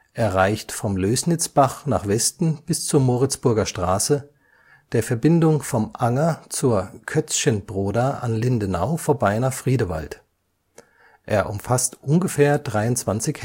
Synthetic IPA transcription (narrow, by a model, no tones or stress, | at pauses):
ʔɛːɐʁaɪçtfɔmløːsnɪt͡sb̥aχnaːχv̥ɛstn̩b̥ɪst͡suːɐmoːʁɪt͡sb̥ʊɐɡɐʃtʁ̥aːsə | d̥eːɐfɛɐbɪndʊŋfɔmʔaŋɐt͡suːɐkʰœt͡sçənbʁoːdaʔa̰nlɪndənaʊfoːɐbaɪnaːχfʁ̥iːdəva̰lt | ʔeːɐʔʊmfastʔʊnɡəfeːɐdʁaɪʊntt͡sv̥ant͡sɪç